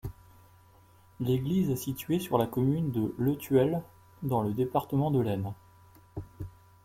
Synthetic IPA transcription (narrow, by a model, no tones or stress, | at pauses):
leɡlizɛsit̪ɥesyʁlakɔmynd̪ələt̪ʰɥɛl | d̪ɑ̃ləd̪epaʁt̪əmɑ̃d̪əlɛn